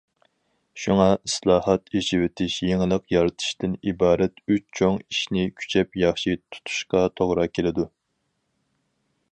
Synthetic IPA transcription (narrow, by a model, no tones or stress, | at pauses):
ʃuŋɑʔislˠɑːhɑt̪it͡ʃiwɪt̪ʰɪʃjeŋɪlˠəqjɑɾɨt̪ʰɨ̥ʃt̪ɪnibɑːɾɛt̪yt͡ʃt͡ʃʰoŋiʃnɪkʲʰy̥t͡ʃʰɛpjɑχʃit̪ʰu̥t̪ʰu̥ʃqɑt̪ʰoʁɾɑkʲʰelɪd̪u